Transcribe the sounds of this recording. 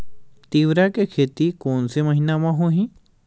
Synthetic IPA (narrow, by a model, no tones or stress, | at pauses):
t̪iʋɾakekʰet̪ikoːnseməɦinamãɦoɦĩ